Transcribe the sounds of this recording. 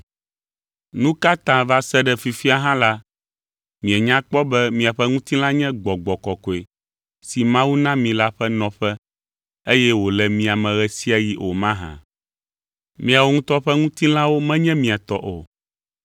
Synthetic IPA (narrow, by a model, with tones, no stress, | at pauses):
nũ˦ka˦t̪ã˨va˦sɛ˦ɖɛ˨fi˨fi˦a˨ɦã˦la˦ | mĩ˨ɛ˨ɲã˦k͡pɔ˦bɛ˦mĩ˨a˨ɸɛ˦ŋũ˦t̪i˦lã˦ɲɛ̃˦ɡ͡bɔ˨ɡ͡bɔ˨kɔ˨kɔ˨e˨ | si˨mã˦wu˦nã˦mĩ˨la˦ɸɛ˦nɔ̃˨ɸɛ˦ | e˦jɛ˦wo˨lɛ˨mĩ˦˨a˨mɛ̃˨ɣɛ˨si˦a˨ji˦ʔo˨mã˦ɦã̰˨ | mĩ˨a˨wo˦ŋũ˦t̪ɔ˦ɸɛ˦ŋũ˦t̪i˦lã˦wo˦mɛ̃˦ɲɛ̃˦mĩ˨a˨t̪ɔ˦ʔo̰˨